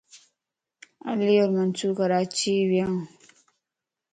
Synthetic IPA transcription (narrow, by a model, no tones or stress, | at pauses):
a̰lijoɾmant͡sukaɾat͡ʃibjaŋ